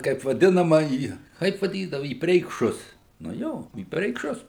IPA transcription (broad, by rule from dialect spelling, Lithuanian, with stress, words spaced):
ˈkɐɪp ʋɐˈdʲɪnɐmɐ iː ˈkɐɪp ʋɐˈdʲiːdɐʋʊ iː pʲrʲɛɪkˈʃʊs nʊ ˈjoː iː pʲrʲɛɪkˈʃʊs